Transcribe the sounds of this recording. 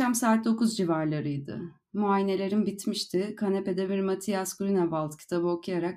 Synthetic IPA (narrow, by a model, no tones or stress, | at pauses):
amsaːt̪̚d̪o̞kuzd͡ʒivaɾlˠaɾɯjd̪ɯ̰ | muajine̞lʲe̞ɾinbit̪miʃt̪ʰɪkʰanepe̞d̪ɛbiɾmat̪ʰijaskuɾinavalˠt̪cʰi̥t̪ʰabɯo̞kʰujaɾak